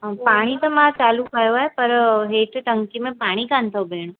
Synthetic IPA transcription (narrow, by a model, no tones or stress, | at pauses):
paːɽ̃it̪ɐmãt͡ɕaːlukɐjoaːɦepɐɾɦeːʈʈɐŋkimẽpaːɽ̃ikant̪ʰɐbeːɽ̃o